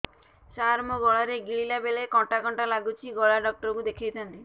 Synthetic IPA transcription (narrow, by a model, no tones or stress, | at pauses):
saɾmɔɡɔɭaɾeɡiɭilabeɭekɔ̃ʈakɔɳʈalaɡut͡ʃʰiɡɔɭaɖɔk̚ʈɔɾɔkud̪ekʰijt̪ʰant̪i